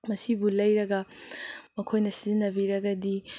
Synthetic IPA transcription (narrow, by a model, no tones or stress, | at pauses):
mɐsibulɐjɾɐɡɐ | mɐkʰojnɐsiznːɐbiɾɐɡɐdi